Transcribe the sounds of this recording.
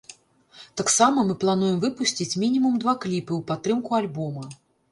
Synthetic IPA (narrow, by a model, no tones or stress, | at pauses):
t̪aksamɐmɨplˠan̪ujɛmvɨpusʲt͡sʲit͡sʲmʲinʲimumd̪vaklʲipɨwpat̪ːɾɨmkualʲbɔmɐ